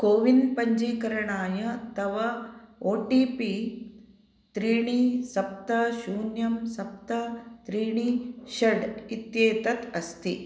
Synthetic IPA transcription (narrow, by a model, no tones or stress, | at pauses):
koːʋinpɐɲd͡ʒeːkɐɾɐɳaːjɐt̪ɐʋɐoːʈiːpi | t̪ɾiːɳisɐp̚t̪ɐʃuːnjɐmsɐp̚t̪ɐt̪ɾiːɳiʃɐɖit̪jeːt̪ɐt̪ɐst̪i